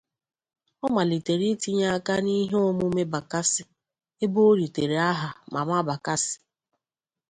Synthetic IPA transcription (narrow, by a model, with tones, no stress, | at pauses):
ɔ˦ma˨li˨te˨ɾi˦ti˦ɲa˦ka˦ni˦ɦe˦o˦mʊ˦me˦ba˨ka˦sɪ˨ | e˦bo˦ɾi˨te˨ɾe˨a˦ɦa˨ma˨ma˦ba˨ka˦sɪ̥˨